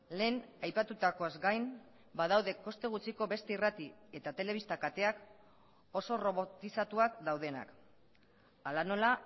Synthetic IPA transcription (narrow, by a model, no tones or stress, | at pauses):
le̞ːnajpat̪ut̪ako̞azɡajn | baðawðe̞ko̞st̪e̞ɣ̞ut͡siko̞βe̞st̪e̞irat̪ie̞t̪at̪e̞le̞β̞ist̪akat̪e̞ak | o̞so̞ro̞βo̞t̪isat̪uakd̪awð̞e̞na̰k | alano̞la